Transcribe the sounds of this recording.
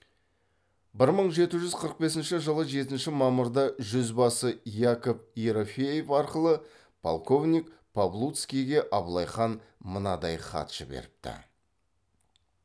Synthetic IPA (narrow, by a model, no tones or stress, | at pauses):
bɪɾməɴʒe̞t̪ɪʒʏzqʰəɾəq̚be̞s̬ɪnʃɪʒəlˠəʒe̞t̪ɪnʃɪmɑmʊɾd̪ɑʒʏzbɑsəjakop̚ijɾofʲejefɑɾqəlˠə | pʰo̰lˠko̞vnʲikpʰoblˠut̪skʲijɡʲe̞ʔɑblˠɑjχɑnmənɑd̪ɑjχɑ̰t̪ʒ̥ə̰bḛɾɪp̚t̪ɪ̰